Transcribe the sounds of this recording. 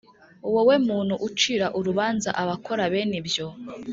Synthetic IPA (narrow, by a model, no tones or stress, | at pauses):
uwowe̞muːnhuʔut͡ʃiɾaʔuɾuβaːnzaʔaβako̞ɾaβenibjo̞